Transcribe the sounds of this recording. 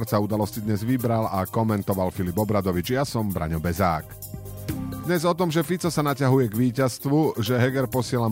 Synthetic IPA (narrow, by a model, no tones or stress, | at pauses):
ɾt͡saud̪alɔscid̪ɲɛzʋibɾalakɔmɛnt̪ɔʋalfilibɔbɾad̪ɔʋid͡ʒjasɔmbɾa̰ɲɔbɛza̰ːk | d̪ɲɛzɔt̪ɔmʒɛfit͡sɔsanacaɦujɛɡʋiːcast̪ʋuʒɛɦɛɡɛɾpɔsɪɛla